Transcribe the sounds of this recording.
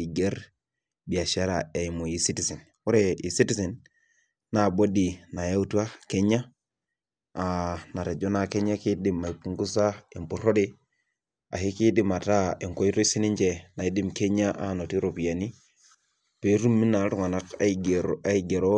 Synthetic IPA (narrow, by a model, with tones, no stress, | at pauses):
i˨ɡe˦ɾ | bi˨a˨ʃa˦ɾa˨e˨mu˨ji˦si˦ti˨se˨n | wu˦ɾe˨ḭ˨si˦ti˦se˨nː | a˨bo˦di˨na˨ja˦u˦tu˦a˦ke˦ɲa˦ | a˨na˨ɾe˨d͡ʒo˦na˨ke˦ɲa˦ki˦di˦ma˨i˨pu˦ŋɡu˦sa˦i˨mpu˨ɾo˦de˦ | a̰˨hi˦ki˦di˦ma˨ta˦i˨ŋko˦i˦to˦i˦si˦ni˦ɲd͡ʒe˨na˨i˨˦di˦mke˦ɲa˦ʔa˨no˨ti˦ɾo˨pi˨ja˨ni˦ | pe˦ɾu˦mːi˦na˨ɾu˨ŋa˨na˦kɡɾa˦i˨ɡe˨ɾo˦